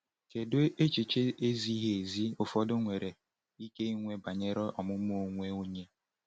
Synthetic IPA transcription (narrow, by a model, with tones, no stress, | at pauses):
ke˨do˦e˦t͡ʃi˨t͡ʃe˦e˦zi˦ɦe˨zi˦ʊ˨fɔ˦dʊ˦ŋʷe˨ɾe˨ | i˦ke˦i˦ŋʷe˦ba˨ɲe˦ɾɔ˦ʔɔ˨mʊ˦m˦o˨˦˨ŋʷe˦o˦ɲe˦